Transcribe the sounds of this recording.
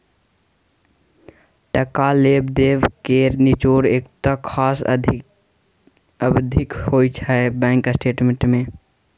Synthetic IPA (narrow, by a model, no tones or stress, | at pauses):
ʈəkalebd̪eʋkeɾnit͡ʃoɾeːkt̪əkʰaːs | əbd̪ʱikhoːjt͡ʃʰaebɛ̃ŋkəsʈeːʈmẽɳʈmẽ